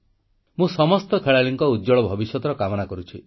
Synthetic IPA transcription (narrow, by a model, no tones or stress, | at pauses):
mũsɔmɔst̪ɔkʰeɭaɭiŋkɔudd͡ʒɔɭɔbʱɔbisjɔt̪ɔɾɔkamɔnakɔɾut͡ʃʰi